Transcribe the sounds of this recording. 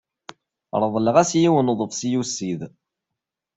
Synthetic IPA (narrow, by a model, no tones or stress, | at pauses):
ɾˤəðˤləʁæsjiwənðˤəfsjusːið